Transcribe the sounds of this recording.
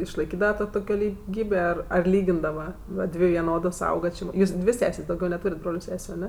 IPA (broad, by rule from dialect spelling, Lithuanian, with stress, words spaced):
ɪʃlˠɐɪˈkʲiːdɐʋɐ ˈtoː tʊˈkʲoː lʲɪˈɡʲiːbʲeː ˈɐr ɐr ˈlʲiːɡʲɪndɐʋɐ ˈʋɐ ˈdʲʋʲɪ ʋʲɪˈnoːdoːs ˈɐʊɡɐ t͡ʃʲɪ ˈjuːs ˈdʲʋʲɪ ˈsʲæːsʲeːsʲ dɐʊˈɡʲɛʊ nʲɛˈtuːrʲeːtʲ ˈbroːlʲʊ ˈsʲæːsʲʊ ɐˈnʲɛ